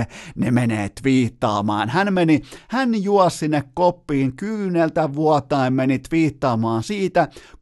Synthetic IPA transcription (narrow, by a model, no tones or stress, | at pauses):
nemeneːt̪ʋiːt̪ːɑːmɑ̰ːnhænmenihænjuɑssinːekkopːiːŋkyːnelt̪æʋuɑt̪ːˑɑemmenit̪ʋiːt̪ːɑːmɑːnsiːt̪æ